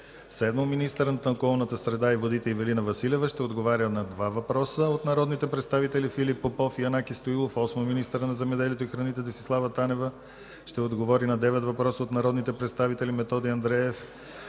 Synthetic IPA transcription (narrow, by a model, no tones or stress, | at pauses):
sɛd̪mominist̪əɾənt̪okɔlˠnət̪əsɾɛd̪aivod̪it̪ɛivɛlinəvɐsilɛvəʃt̪ɛod̪ɡovaɾʲənɐd̪vavɐpɾɔsəot̪nɐɾɔd̪nit̪ɛpɾɛt̪st̪avit̪ɛlifilipːopɔfiɐnakist̪oilˠofɔsmominist̪əɾənɐzɛmɛd̪ɛlʲiɛt̪oixɾɐnit̪ɛd̪ɛsi̥slˠavət̪anɛvə | ʃt̪ɛod̪ɡovɔɾinɐd̪ɛvɛt̪vɐpɾɔsəot̪nɐɾɔd̪nit̪ɛpɾɛt̪st̪avit̪ɛlimɛt̪ɔd̪iɐnd̪ɾɛɛf